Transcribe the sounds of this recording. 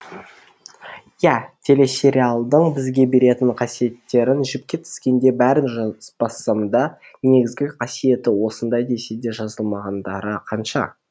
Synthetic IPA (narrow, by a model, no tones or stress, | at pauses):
jæt̪ʰe̞le̞se̞ɾʲialˠd̪əɴbɪzɡʲe̞be̞ɾe̞t̪ɪɴqʰɑsije̞t̪ːe̞ɾɪnʒɪp̚kʲe̞t̪ʰɪ̥skʲe̞nd̪e̞bæɾɪnʒbɑsːɑmd̪ɑ | ne̞ɡʲɪzɡʲɪqʰɑsije̞t̪ɪwo̞sənd̪ɑjd̪e̞se̞d̪e̞ʒɑzəlˠmɑʁɑnd̪ɑɾəqʰɑnʃɑ̰